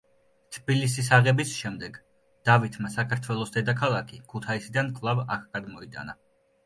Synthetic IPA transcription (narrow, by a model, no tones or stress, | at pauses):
t̪ʰbilis̬is̬aʁɛbisʃɛmd̪ɛɡ | d̪̥avit̪ʰmasakʰaɾt̪ʰwɛlˠɔsd̪ɛd̪akʰalˠakʰikʰut̪ʰaisid̪ankʼlˠavakʰɡad̪mɔit̪ʼa̰na